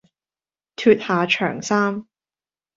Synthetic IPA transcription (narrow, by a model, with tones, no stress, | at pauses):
t̪ʰyː˧t̚haː˨˧t͡ʃʰœ̰ː˨˩ŋsaː˥m